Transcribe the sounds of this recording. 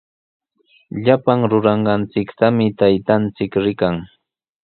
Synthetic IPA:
ʎapaŋɾʊɾɑɴɢɑnt͡sɪkt̪amɪt̪ajt̪ant͡sɪkɾɪkaŋ

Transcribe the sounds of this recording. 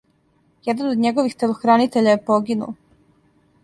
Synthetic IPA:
jɛd̪anod̪ɲeɡoʋixt̪elˠoxɾanit̪eʎajepoɡinṵl

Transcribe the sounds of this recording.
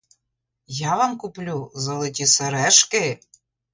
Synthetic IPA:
jɑvɑmkuplʲuzɤ̆lˠɤt̪ʲisə̆ɾæʃke

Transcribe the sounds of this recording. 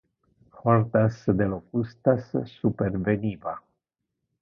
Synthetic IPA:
xort̪asd̪elokust̪asːuperveniva

